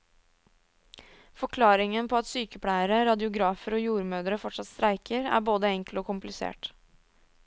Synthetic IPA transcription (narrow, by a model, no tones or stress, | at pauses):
fɔkʰlɑːɾɪŋənpʰɔɑt̪syːkəpʰɽæɪəɾəɾɑd̪ɪʊɡɾɑːfəɾɔːjuːɾmøːd̪ɾəfɔʈʂɑt̪st̪ɾæɪkəɾæ̰ɾboːd̪əɛŋkloːkʊmplɪsḛːʈ